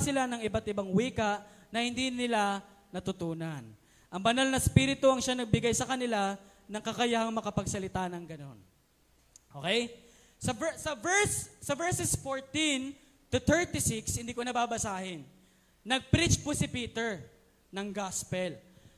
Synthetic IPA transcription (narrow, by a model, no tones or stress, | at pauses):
sɪlanɐŋɪbat̪ʔɪbaŋwiːkɐʔnɐhɪnd̪inɪla | nɐt̪ʊt̪uːnɐn | ʔɐŋbɐnalnɐspiɾɪt̪oɐŋʃanɐɡ̚bɪɡajsɐkɐnɪla | nɐŋkɐkɐjahɐŋmɐkɐpɐɡsɐlɪt̪aːnɐŋɡɐno̞̰n | ʔokɛj | sɐvɛsɐvɛɹssɐvɛɹsɛsfoɹt̪in | t̪ʊt̪ɛɹt̪ɪsɪkshɪnd̪iːkonɐbaːbɐsaːhɪnː | ɐɡ̚pɾit͡ʃposɪpiːt̪ɛɹ | nɐŋɡaspɛl